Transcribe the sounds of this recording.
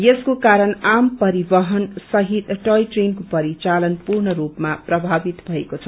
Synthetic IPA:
jeskokaɾʌnampʌɾibʌɦʌnsʌɦit̪ʈʌjʈrenkopʌɾit͡salʌnpurnʌɾupmaprʌbʱabit̪bʱʌekot͡sʰʌ

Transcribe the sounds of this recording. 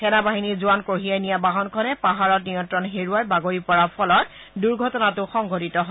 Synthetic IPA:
kɛnabaɦinizuankoɦijajnijabaɦɔnkʰɔnɛpaɦaɹɔt̚nijɔntɹɔnɦeɹuajbaɡoɹipɔɹapʰɔlɔt̚ | duɹɡʱɔtɔnatʊxɔŋɡʱotitɔɦo

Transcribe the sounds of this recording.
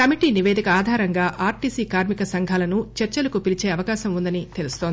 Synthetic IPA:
kɐmiʈiːniʋeːd̪ʱikɐaːd̪ʱaːɾɐŋɡaːʔaːɾʈiːsiːkaːɾmikɐsɐŋɡʱaːlɐnut͡ʃɐɾt͡ʃɐlɐkupilit͡ʃeːɐʋɐkaːʃɐmund̪ɐnit̪e̞lust̪o̞ːnd̪i

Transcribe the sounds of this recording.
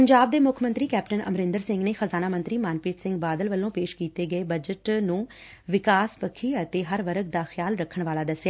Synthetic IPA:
pəɲd͡ʒaːb̚d̪eːmʊkʰmənt̪ɾiːkɛːpʈənə̰mɾɪ̃nd̪əɾsɪ̃ŋɡneːxəzaːnaːmə̃nt̪ɾiːmaːnpiːt̪sɪ̃ŋɡbaːd̪əlʋəlːõːpeːʃkiːt̪eːɡəeːbəd͡ʒəʈnũː | ʋɪkaːspəkʰːiːət̪eːɦəɾʋəɾəɡ̚d̪aːxjaːlɾəkʰːəɳʋaːlaːd̪əsːjaː

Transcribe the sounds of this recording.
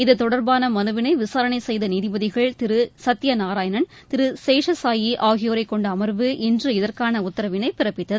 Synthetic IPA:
ɪðɯt̪ɔɽɐɾbaːnɐmɐnɯʋɪnɐɪʋɪsaːɾɐnɐɪsɛjðɐniːðɪbɐðɪɣɐɭt̪ɪɾɯsɐt̪ːɪjɐnaːɾaːjɐnɐnt̪ɪɾɯseːʂɐsaːjiʔaːɣɪjoːɾɐɪkːɔɳɖɐːmɐɾʋɯʔɛndrɯɪðɐrkaːnɐʊt̪ːɐɾɐʋɪnɐɪpɪɾɐpːɪt̪ːɐðɯ

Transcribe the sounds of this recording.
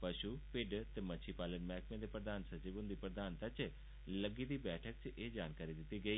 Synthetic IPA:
pɐʃupɪɖt̪emɐt͡ʃʰipaːlənmɛːkmẽd̪epɾəd̪aːnsɐt͡ʃibʊ̃nd̪ipɾəd̪aːnt̪at͡ʃ | lɐɡid̪ibɛːʈʰək̚t͡ʃʔed͡ʒaːnkaːɾid̪ɪt̪iɡɐiː

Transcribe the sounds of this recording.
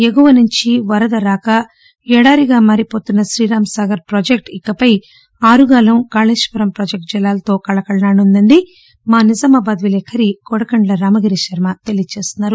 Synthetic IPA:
eɡuʋɐnuɲt͡ʃiʋɐɾɐd̪ɐɾaːkɐ | ɛɽaːɾiɡaːmaːɾipo̞ːt̪unːɐʃɾiːɾaːmɐsaːɡɐɾpɾoːd͡ʒek̚ʈikːɐpɐj | aːɾuɡaːlɐmkaːleːʃpɐɾɐmpɾoːd͡ʒek̚ʈ̚d͡ʒɛlːaːlɐt̪o̞ːkɐɭɐkɐɭɐnaːɽund̪ɐɳɖi | maːnizɐmɐbɐːd̪ʋilekʰːɐɾiɡɔɽɐkɐɳɖlɐɾaːmɐɡɐɾiʃɐɾmɐt̪elijt͡ʃe̞ːst̪unːaːɾu

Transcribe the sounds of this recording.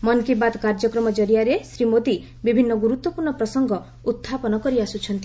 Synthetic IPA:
mɔnkibad̪kaɾd͡ʒɔkɾɔmɔd͡ʒɔɾijaɾesɾimod̪i | bibʱinːɔɡuɾut̪wɔpuɾɳɔpɾɔsɔŋɡɔ | ut̪ʰːapɔnɔkɔɾiasut͡ʃʰɔnt̪i

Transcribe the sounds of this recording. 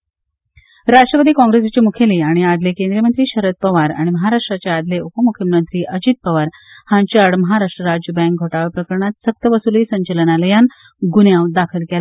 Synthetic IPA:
ɾaʂʈɾəpəd̪iːkɔ̃ŋɡɾesat͡ɕimukʰeliaɽ̃iad̪lekẽnd̪ɾijəmənt̪ɾiːɕəɾət̪̚pəʋaɾa̰ɽ̃iməɦaɾaʂʈɾat͡ɕead̪leupəmukʰjəmənt̪ɾiːʔəd͡ʑit̪̚pəʋaɾhãɲt͡ɕəɽməɦaɾaʂʈɾəɾad͡ʑəbɛ̃ŋk̚ɡʱoʈaʋepɾəkəɾɳat̪sək̚t̪əʋəsuliːsə̃ɲt͡ɕələnaləjan | ɡunjãwd̪akʰəlkela

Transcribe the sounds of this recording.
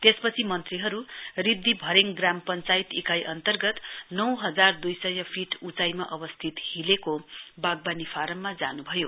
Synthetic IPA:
t̪espʌt͡sʰimʌnt̪riɦʌɾuribd̪ʱibʱʌɾeŋɡrampʌnt͡sajit̪ekajʔʌnt̪ʌrɡʌt̪nʌwɦʌd͡zard̪ujsʌjʌpʰiʈut͡sajmaʔʌbʌst̪ʰit̪hilekobaɡ̚banifʰaɾʌmːad͡za̰nubʱʌjo

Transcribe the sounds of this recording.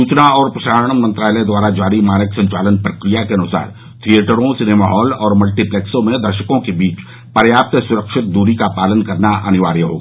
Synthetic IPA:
suːt͡ʃnaɔːɾpɾɐʃaːɾəɳ̃mə̃nt̪ɾaːləd̪waːɾad͡ʒaːɾimaːnəksɐ̃ɲt͡ʃaːlənpɾɐkɾijakeɐnʊsa̰ːɾ | t̪ʰieːʈəɾõsɪnemaɦɔːlɔːɾmɐlʈiplɛːksõmẽd̪ɐɾʃəkõkebiːt͡ʃ | pɐɾjaːp̚t̪sʊɾəkʃɪt̪̚d̪uːɾikapaːlənkɐɾnaʔɐnɪʋaːɾjəɦo̰ɡa

